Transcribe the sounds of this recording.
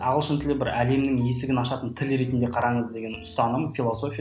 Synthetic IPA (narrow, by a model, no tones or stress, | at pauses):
ɑʁəlˠʃənt̪ʰɪlɪbɪɾæle̞mnɪŋje̞sɪɡʲɪnɑʃɑt̪ənt̪ʰɪlɾe̞t̪nd̪eqʰɑɾɑɴəzd̪e̞ɡʲe̞nʊst̪ɑnəmfʲilˠoso̞fʲij